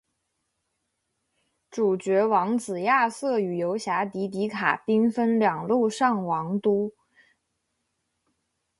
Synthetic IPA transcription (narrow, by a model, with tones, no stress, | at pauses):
ʈ͡ʂu˨˩t͡ɕɥɛ˧˥wɑ˧˥ŋt͡sɹ̩˨˩ja˥˧sɤ˥˩y˨˩jo˧˥ʊɕja˧˥t̪i˧˥t̪̬i˧˥kʰa̰˨˩pi˥ŋfə˥nljɑ˨˩ŋlu˥˧ʂɑ˥˩ŋwɑ˧˥ŋt̪u˥